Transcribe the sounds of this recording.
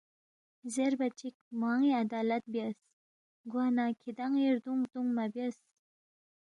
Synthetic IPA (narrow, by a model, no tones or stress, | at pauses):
zeɾbat͡ʃik̚maŋiad̪ɑlat̪̚bjas | ɡwanakʰid̪aŋeɾd̪uŋt̪uŋmabjas